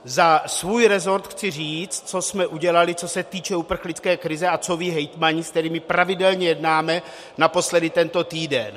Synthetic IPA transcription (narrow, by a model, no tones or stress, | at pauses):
zasvuːjɾɛzo̞ɾt̪xt͡sɪriːt͡st̪̚t͡so̞smɛʔuɟɛlalɪt͡so̞sɛt̪iːt͡ʃɛupr̩xlɪt͡skɛːkɾɪzɛat͡soviːɦɛjt̪maɲɪsk̚t̪ɛɾiːmɪpɾavɪdɛlɲɛjɛdnaːmɛ | napo̞slɛdɪt̪ɛnt̪o̞t̪iːdɛn